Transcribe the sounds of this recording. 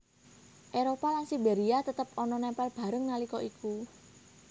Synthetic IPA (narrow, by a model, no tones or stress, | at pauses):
ʔeɾopalansibeɾiat̪ət̪əpɔnɔnɛmpɛlb̥a̤ɾəŋnalikɔʔikʰu